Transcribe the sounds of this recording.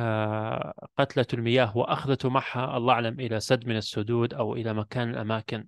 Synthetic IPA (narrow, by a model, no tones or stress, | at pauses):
qɑt̪lalmɪjaːɦwaʔaxðat̪maʕhaʔɑlˤːɑʔaʕlamʔɪlasad̪mɪnasːʊd̪uːd̪ʔawʔɪlamakaːnalʔa̰maːkɪn